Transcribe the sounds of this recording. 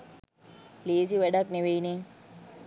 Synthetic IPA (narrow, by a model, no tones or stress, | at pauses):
leːsiʋɛɖakneʋeine